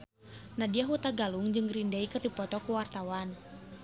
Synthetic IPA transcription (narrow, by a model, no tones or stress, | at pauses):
nadiaɦut̪aɡaluŋd͡ʒɨŋrindaikɨrdipɔt̪ɔkuwart̪awan